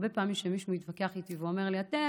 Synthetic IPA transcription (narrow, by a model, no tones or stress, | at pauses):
be̞paːmimʃemiʃnuit̪vakeaχit̪iveome̞ʁliate